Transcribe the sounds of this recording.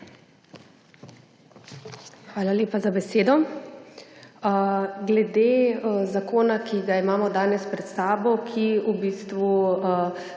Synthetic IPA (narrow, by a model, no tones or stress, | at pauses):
xʋaːlaleːpazabɛseːd̪ɔ | ɡlɛd̪eːzakoːnakiɡaimaːmɔd̪aːnɛspɾɛt̪saːbɔkʰiubiːst̪ʋu